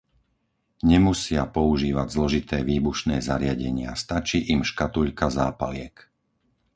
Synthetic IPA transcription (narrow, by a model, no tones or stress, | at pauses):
ɲɛmusɪapɔuʒiːʋaɟzlɔʒit̪ɛːʋiːbuʃnɛːzaɾɪaɟɛɲɪast̪at͡ʃiːʔimʃkat̪uʎkazaːpalɪɛk